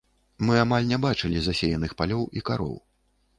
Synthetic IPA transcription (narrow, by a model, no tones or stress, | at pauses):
mɨamalʲnʲɛbat͡ʂɨlʲizasʲejɐnɨxpalʲɔwikaɾɔ̰w